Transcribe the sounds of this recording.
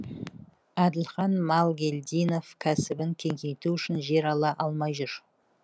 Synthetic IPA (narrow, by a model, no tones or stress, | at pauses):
æd̪ɪlχɑnmɑlˠɡʲe̞lʲd̪ijno̞fkʲʰæsɪbɪŋkʲʰe̞ŋkʲejt̪uʏʃɪnʒe̞ɾɑlˠɑʔɑlˠmɑjʒʊɾ